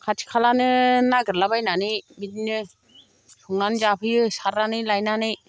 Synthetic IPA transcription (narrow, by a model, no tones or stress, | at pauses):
kʰatʰi̥kʰalanɯnaɡɯɾlabajnanɯjmitinɯ | pʰɯŋanzapʰɯjɯsaɾanɯjlajnanɯj